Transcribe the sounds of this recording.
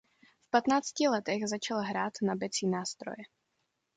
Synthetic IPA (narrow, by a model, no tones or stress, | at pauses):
fpat̪naːt͡scɪlɛt̪ɛɣzat͡ʃalɦɾaːt̪nabɛt͡siːnaːst̪ɾo̰jɛ